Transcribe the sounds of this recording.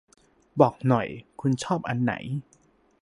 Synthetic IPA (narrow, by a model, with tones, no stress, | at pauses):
bɔː˨˩k̚nɔ˨˩jkʰu˧nt͡ɕʰɔː˥˩p̚ʔa˧nːa̰˩˦j